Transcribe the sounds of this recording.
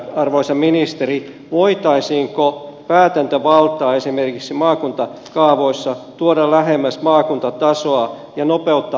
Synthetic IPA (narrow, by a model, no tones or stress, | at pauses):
ɑrʋoisɑminist̪eri | ʋoit̪ɑisiːŋkopæːt̪ænt̪øʋɑlt̪ˑɑːesimerkiksimɑːkunt̪ɑkɑːʋoisːɑt̪uoɾɑlæhemːæsmɑːkunt̪ɑt̪ɑsoɑ | jɑnopeut̪ːɑ